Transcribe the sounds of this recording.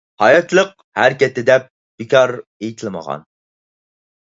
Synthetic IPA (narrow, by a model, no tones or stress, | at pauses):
hɑjɑt̪lˠəq | hæɾkʲɛt̪ːɪd̪ɛp̚ | b̥ɪkʰʲɑɾejt̪ʰɨlˠmə̰ʁɑ̰n